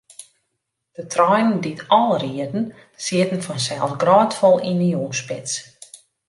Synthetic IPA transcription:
d̥ətʰrɔjnənditʰɔlˠriədn̩ | siətn̩fɔnsɛlˠsɡrɔːtfɔlˠinəuspɪs

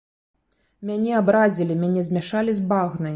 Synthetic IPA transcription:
mʲanʲɛabɾazʲilʲimʲanʲɛzʲmʲaʂalʲizbaɣnɐj

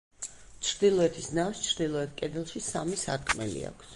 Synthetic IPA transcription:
t͡ʃʰɾd̪ilˠɔɛt̪ʰisnawst͡ʃʰɾd̪ilˠɔɛt̪̚ʰkʼɛd̪ɛlˠʃisamisaɾkʼmɛ̰lḭa̰kʰs

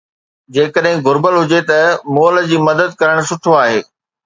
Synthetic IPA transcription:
d͡ʑeːkəɗɦɪ̃ɡʊɾbəlɦʊd͡ʑet̪ɐmoələd͡ʑiːmɐd̪əd̪̚kɐɾəɽ̃sʊʈʰoaːɦeː

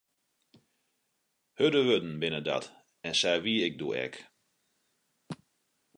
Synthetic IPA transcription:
hødəʋødn̩bɪnəda̰t | ɛnsɛjʋiɪk̚dṵɛ̰k

